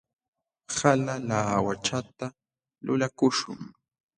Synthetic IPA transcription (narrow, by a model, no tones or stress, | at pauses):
halalaːwat͡ʃat̪a | lʊlakʊʃʊ̰ŋ